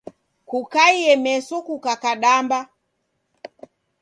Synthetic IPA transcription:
kukaiɛmɛsɔkukakaɗamba

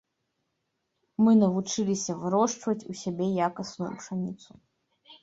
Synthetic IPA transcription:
mɨnɐvut͡ʂɨlʲisʲɐvɨɾɔʂt͡ʂvɐt͡sʲusʲabʲejakɐsnujṵpʂanʲit̪sʰu

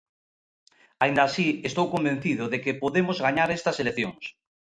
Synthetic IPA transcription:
aĩnd̪aːsiest̪owkombẽn̟θiðʊðekepoðemozɣaɲaɾest̪ɐseleθjoŋs

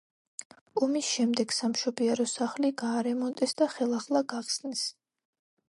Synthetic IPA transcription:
ɔmisʃɛmd̪ɛɡsamʃɔbiɛɾɔsaχliɡaːɾɛmɔnt̪ʼɛsd̪aχɛlˠaχlˠaɡaχsnɛs

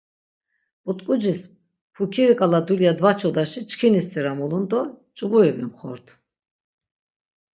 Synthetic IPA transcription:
but̪ʼkʼud͡ʒis | pʰukʰiɾikʼalad̪uljad̪vat͡ʃʰɔd̪aʃit͡ʃʰkʰinist̪ʼiɾamɔlund̪ɔt͡ʃʼubuɛbɛmχɔ̰ɾt̪ʰ

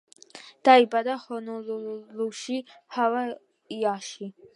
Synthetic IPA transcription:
d̪̥aibad̪aχɔnɔlluʃihawa | jaʃi

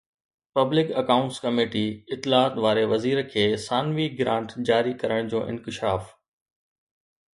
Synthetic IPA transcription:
pɐblɪkɐkaːʊ̃ɳʈskɐmeːʈiɪt̪ːɪlaːt̪ʋaːɾeʋɐziːɾkʰeːsaːnʋiɡɾãːɳʈd͡ʑaːɾikɐɾəɽ̃d͡ʑoːʔɪ̰̃nkɪʃaːf

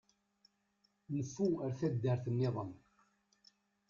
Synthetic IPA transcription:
nəfːuəɾθæd̪ːəɾθənːɪðˤəm

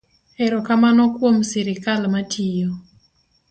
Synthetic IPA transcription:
ɛɾokamanɔkwomsɪɾɪkalmatʰijo

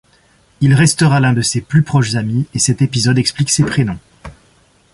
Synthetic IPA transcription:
ilʁɛst̪əʁalɛ̃d̪əseplypχɔʃzamiesɛt̪epizɔd̪ɛkspliksepχenɔ̃

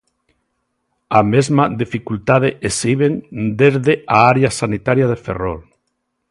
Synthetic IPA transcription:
amezmaðifikult̪að̞eʔesiβeŋd̪ezðeaaɾeasanit̪aɾjaðeferol

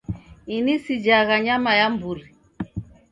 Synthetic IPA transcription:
inisid͡ʒaɣaɲamajambuɾi

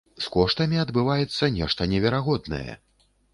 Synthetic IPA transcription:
skɔʂt̪ɐmʲiɐd̪bɨvajɛt̪sːɐnʲɛʂt̪ɐnʲɛvʲɛɾaɣɔd̪nɐ̰jɛ̰

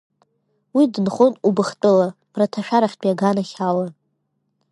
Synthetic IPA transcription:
widɨnχonubɨχtʼɨlab̥ratʰaʃᶣaɾaχʲtʼiaɡanaχʲawa

